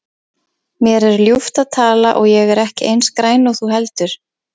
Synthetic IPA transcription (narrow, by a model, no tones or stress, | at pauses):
mjɛɾɛɾljuft̪aðt̪ʰaːla̰ʔɔɣjɛɣɛɾɛhcɪʔejnskɾaːjnɔɣθuɦɛlt̪ʏɾ̥